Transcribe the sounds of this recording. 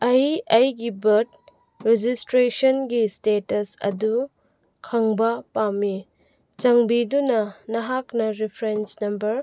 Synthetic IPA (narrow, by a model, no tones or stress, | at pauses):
ɐjɐjɡibɐt̚ | ɾed͡ʒistɾesɐnɡistetɐsɐ̰du | kʰɐŋbɐpami | t͡ʃɐŋbidunɐnɐɦaknɐɾipʰɾensnɐmbɐɾ